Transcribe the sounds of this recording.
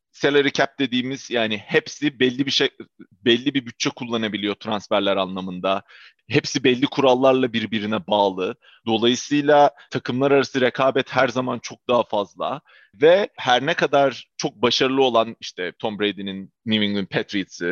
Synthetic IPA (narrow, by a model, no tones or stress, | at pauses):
selʲeɾicʰɛp̚d̪e̞d̪iːmiz̥jaːnɪhɛpsibɛlʲːibiʃɛ | bɛlʲːibibyt̪̚t͡ʃʰɛkʰulˠːanabilʲijo̞t̪ʰɾansfæɾlʲæɾanlˠamɯnd̪a | ɦɛpsibɛlʲːikʰuɾalˠːaɾlˠabiɾbiɾinɛbaːlˠɯ | d̪o̞lˠajɯsɯjlˠat̪ʰakʰɯmlˠaɾaɾasɯɾekʰaːbɛt̪hæɾzamant͡ʃʰo̞k̚d̪aɦafazlˠa̰ | vɛhæɾnɛkʰad̪aɾt͡ʃʰo̞k̚baʃaɾɯlˠɯo̞lˠaniʃt̪ʰɛt̪ʰo̞mbɾejd̪ininniviŋɡ̪inpʰɛt̪ɾit̪sɯ